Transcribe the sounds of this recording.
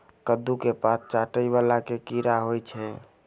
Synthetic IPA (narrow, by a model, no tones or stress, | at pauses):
kəd̪ukepas̚ʰt͡ʃaʈəjβalakekiɾaɦojt͡ʃʰɛ